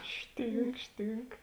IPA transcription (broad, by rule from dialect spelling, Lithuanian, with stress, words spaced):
ˈʃʲtʲiːŋk ˈʃʲtʲiːŋk